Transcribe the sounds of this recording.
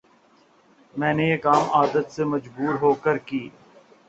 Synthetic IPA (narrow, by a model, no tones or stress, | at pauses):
mɛ̃ːnejeːkaːmaːd̪ət̪semɐd͡ʒbuːɾɦoːkəɾkiː